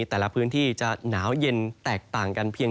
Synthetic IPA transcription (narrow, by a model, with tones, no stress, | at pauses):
i˧t̪ɛː˨˩la˦pʰɯː˦˥nt̪ʰiː˥˩t͡ɕa˨˩naː˩˦wje˧nt̪ɛː˨˩k̚t̪aː˨˩ŋka˧npʰiː˧ə